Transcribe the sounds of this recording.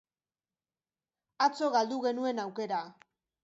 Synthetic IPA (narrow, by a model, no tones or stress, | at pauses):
at͡so̞ɣald̪uɣ̞e̞nue̞nawke̞ɾa